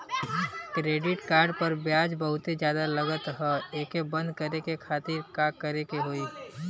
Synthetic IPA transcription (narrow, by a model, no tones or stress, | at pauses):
kɾeːɖɪʈkaːɾɖpəɾbjaːd͡ʒbəɦʊt̪ed͡ʒjaːd̪aləɡət̪ɦɛeːkebə̃nd̪kəɾekekʰaːt̪ɪɾkakəɾekeɦoːi